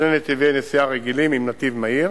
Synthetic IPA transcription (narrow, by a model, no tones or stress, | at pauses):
nenet̪ivenesiaʁeɡilimimnat̪ivmaiʁ